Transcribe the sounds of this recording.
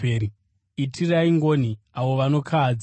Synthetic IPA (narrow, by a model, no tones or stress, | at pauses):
eːɾi | itʰiraiŋɡoni | awo̞ʋano̞kʰaːd͡z